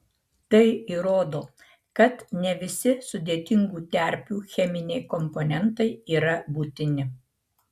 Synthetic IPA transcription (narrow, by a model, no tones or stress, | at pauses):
t̪ɐɪiɾoːd̪oː | kɐt̪nʲɛʋʲɪsʲɪsʊd̪ʲeːt̪ʲɪŋɡuːt̪ʲɛˑɾʲpʲuːxʲɛmʲɪnʲɛɪkɔmpɔnʲɛnt̪ɐɪiːɾɐbuːt̪ʲɪnʲɪ